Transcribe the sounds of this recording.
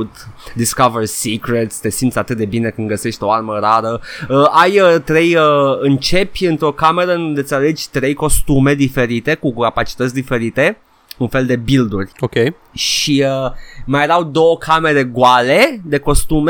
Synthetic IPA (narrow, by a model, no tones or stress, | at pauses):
t̪d̪iskaversikɾet̪sʲt̪e̞sint̪sʲat̪ɨt̪̚d̪ebine̞kɨnɡəse̞ʃt̪ʲo̞arməɾaɾəəajət̪ɾe̞jəɨnt͡ʃe̞pʲɨnt̪ɾo̞kame̞ɾəɨund̪e̞t̪sʲale̞d͡ʒʲt̪ɾe̞jko̞st̪ume̞d̪ife̞ɾit̪e̞kukapat͡ʃi̥t̪ət̪sʲd̪ife̞ɾit̪e̞ | unfe̞ld̪e̞bild̪urʲokʲej | ʃiəmajeɾawd̪o̞wəkʰame̞ɾe̞ɡoale̞d̪e̞ko̞st̪ume